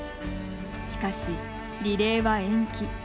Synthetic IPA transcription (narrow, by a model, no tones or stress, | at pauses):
ɕi̥kaɕi | ɾʲiɾe̞ːβaẽ̞ŋkʲi